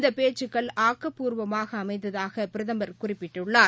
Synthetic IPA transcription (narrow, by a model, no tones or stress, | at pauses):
nd̪ɐpeːt͡ʃːɯkːɐɭaːkːɐpːuːɾʋɐmaːɣɐːmɐɪt̪ːɐðaːɣɐpɪɾɐðɐmbɐɾkʊrɪpːɪʈːɯɭːaː